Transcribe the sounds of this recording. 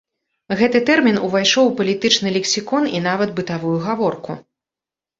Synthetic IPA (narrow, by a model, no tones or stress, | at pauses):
ɣɛt̪ɨt̪ɛrmʲinuvajʂɔwpɐlʲit̪ɨt͡ʂnɨlʲɛksʲikɔninavɐt̪bɨt̪avujuɣavɔrku